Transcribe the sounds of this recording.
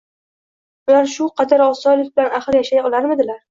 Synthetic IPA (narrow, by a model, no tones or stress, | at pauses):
ʊlaɾʃʊqʰɑd̪aɾɒsɒjlɪk̚ʲbɪlanaχɨɾjaʃajɒlˠaɾmɪd̪ɪlaɾ